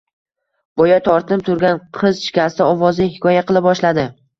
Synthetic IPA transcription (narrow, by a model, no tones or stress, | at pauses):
b̥ɒjat̪ʰɒɾt̪ʰp̚t̪ʰʊɾɡʲanqʰɨzʃɪ̥kʲast̪ɪɒvɒzɪhɪkʰɒjaqʰɨlˠɪb̚bɒʃlad̪ɪ